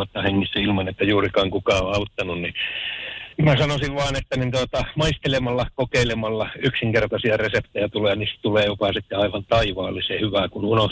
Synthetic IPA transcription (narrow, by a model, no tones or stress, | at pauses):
ɑt̪ːɑːheŋːisːæilmɑnet̪ːæjuːrikɑːŋkukɑːoɑut̪ːɑnunni | mmæsɑnosiʋʋɑːnet̪ːænint̪uot̪ɑmɑist̪elemɑlːɑkokeilemɑlːɑyksiŋkert̪ɑsiɑresept̪ejæt̪uleːjɑniːst̪t̪uleːjopɑsit̪ːeɑiʋɑnt̪ɑiʋɑːlːisehyʋækununoh